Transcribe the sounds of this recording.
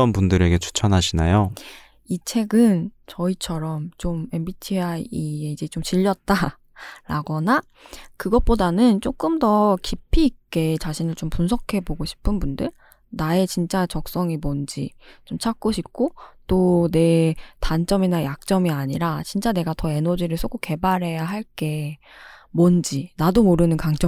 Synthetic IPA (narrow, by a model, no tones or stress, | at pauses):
ʌnpundɯɾe̞ɡe̞t͡ɕʰu̥t͡ɕʰʌnɦaɕʰinajo | it͡ɕʰe̞ɡɯnt͡ɕʌit͡ɕʰʌɾʌmt͡ɕome̞mbitʰiaieid͡ʑe̞t͡ɕomt͡ɕiʎːʌt̚t͈a | ɾaɡʌna | kɯɡʌp͈odanɯnt͡ɕ͈ok͈ɯmdʌkipʰiːk͈e̞t͡ɕaɕʰinɯɭt͡ɕompunsʰʌkʰe̞boɡoɕʰi̥pʰɯnbundɯɭ | nae̞t͡ɕint͡ɕ͈at͡ɕʌk̚s͈ʌŋimond͡ʑit͡ɕomt͡ɕʰak̚k͈oɕʰip̚k͈ʰot͈one̞tant͡ɕ͈ʌminajak̚t͡ɕ͈ʌmiaɲiɾat͡ɕint͡ɕ͈ane̞ɡatʌe̞nʌd͡ʑiɾɯɭsʰoɡʰoke̞baɾɦe̞jaɦaɭk͈e̞ | mond͡ʑinadomoɾɯnɯnkaŋt͡ɕ͈ʌ